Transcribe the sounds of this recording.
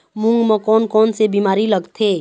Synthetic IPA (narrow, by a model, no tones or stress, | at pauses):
mʊ̃ŋɡmə̃kɔːnkɔːnsebimaːɾiləɡt̪ʰeː